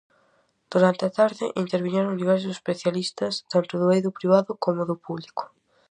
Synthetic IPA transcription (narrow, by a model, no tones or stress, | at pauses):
d̪̥uɾant̪eat̪aɾðɪʔint̪eɾβiɲɛɾʊŋd̪iβ̞ɛɾs̬ʊsespeθjalist̪ɐst̪ant̪ʊðʊejðʊpɾiβ̞aðʊkomʊðʊpuβlikʊ̥